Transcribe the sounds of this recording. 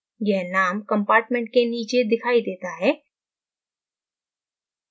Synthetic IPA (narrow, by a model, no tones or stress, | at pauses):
jɛɦnaːmkɐ̃mpaːɾʈmẽɳʈ̚keniːt͡ʃed̪ɪkʰaːid̪eːt̪aɦɛː